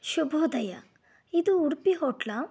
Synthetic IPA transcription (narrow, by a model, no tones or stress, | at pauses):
ʃubʱod̪ɐja | id̪uuɾpiɦɔʈla